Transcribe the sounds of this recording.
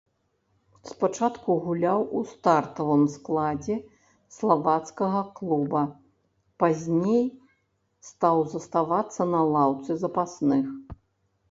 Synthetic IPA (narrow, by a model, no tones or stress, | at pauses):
spat͡ʂat̪kuɣulʲawust̪art̪ɐvɨmsklˠad͡zʲɛ | slˠavat̪skɐɣɐklˠubɐ | pazʲnʲej | st̪awzɐst̪avat̪sːɐnɐlˠawt̪sɨzɐpasnɨx